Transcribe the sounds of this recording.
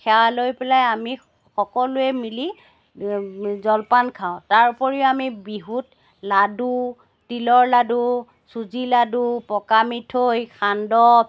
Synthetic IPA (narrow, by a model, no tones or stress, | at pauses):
kʰɛwalojpɛlajami | xɔkɔlʊɛmili | zɔlpankʰaʊ̃taɹpɔɹiamibiɦut | ladu | tilɔɹladu | suziladupɔkamitʰojkʰandɔ